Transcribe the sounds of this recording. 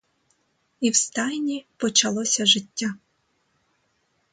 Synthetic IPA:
iwst̪ɑjnʲipɔt͡ʃɐlˠɔsʲɐʒɪtʲːa

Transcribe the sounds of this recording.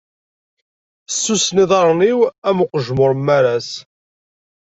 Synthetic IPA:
sːusniðˤɑɾˤniwæmʊqəʒmʊɾˤmːæɾæs

